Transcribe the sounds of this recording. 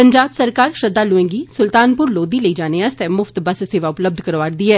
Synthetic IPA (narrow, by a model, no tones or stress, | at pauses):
pəɲd͡ʒaːbsəɾkaːɾʃəd̪aːlʊẽːŋɡiːsʊlt̪aːnpʊɾloːd̪iːləiːd͡ʒaːneːəst̪ɛːmʊft̪bəsseːʋaːʊpləb̚d̪ʱkəɾʋaːɾd̪iːɛː